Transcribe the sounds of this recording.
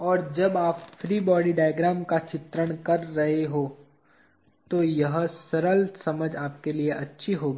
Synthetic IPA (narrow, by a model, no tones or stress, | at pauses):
ɔːɾd͡ʒɐbaːpfɾiːbɔːɖiɖaːjɡɾaːmkat͡ʃɪt̪ɾəɽ̃kɐɾːɐɦeɦoː | t̪ojɐɦsɐɾəlsɐməd͡ʒaːpkelieʔɐtːʃʰiɦoːɡiː